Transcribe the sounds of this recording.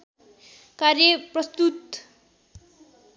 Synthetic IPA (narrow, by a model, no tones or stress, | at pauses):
karjʌprʌst̪ut̪